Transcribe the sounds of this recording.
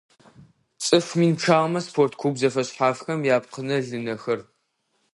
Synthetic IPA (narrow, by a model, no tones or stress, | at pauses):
t͡sʼɨfmiːnpʈ͡ʂʰaːʁmɐspʰoːrtʰkʰʷuːbzɐfɐɕħaːfxɐmjaːpqʰənɐɮɨnɐxɐr